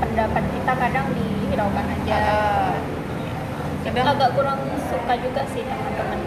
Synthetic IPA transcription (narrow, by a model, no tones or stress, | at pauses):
pəndapat̪̚kit̪akadaŋdidabanad͡ʒa | ja | laɡaʔɡuɾaŋnisukad͡ʒuɡaʔsɪhnamat̪əmən